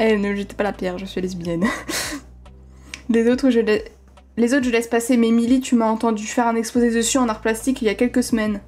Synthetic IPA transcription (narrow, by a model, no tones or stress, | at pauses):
ɛnəʒɛt̪ɛ̥palapjɛʁʒəsɥialɛzbijɛn | lezot̪χʒəlɛ | lezot̪χʒəlɛspasemɛmilit̪ʰymaɑ̃t̪ɑ̃d̪yfɛʁɛ̃nɛkspozed̪əsyɑ̃naʁplast̪ikiljakʲɛlkəsəmɛn